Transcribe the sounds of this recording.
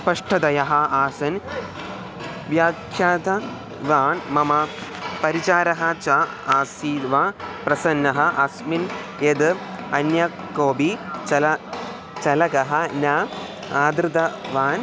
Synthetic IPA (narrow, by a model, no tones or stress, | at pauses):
spɐʂʈʰɐd̪ɐjɐɦɐaːsɐn | ʋjaːkʰjaːt̪ɐ | ʋaːnmɐmɐpɐɾit͡ʃaːɾɐɦɐt͡ʃɐ | aːsiʋapɾɐsɐnːɐɦɐʔɐsmin | ed̪ɨɐnjɐ | koːbit͡ʃɐlɐ | t͡ʃɐlɐkɐɦɐnaː | aːd̪ɾɨt̪ɐʋaːn